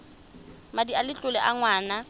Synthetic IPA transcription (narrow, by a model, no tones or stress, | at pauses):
madialɪt͡ɬʼʊlɛʔaŋwaːna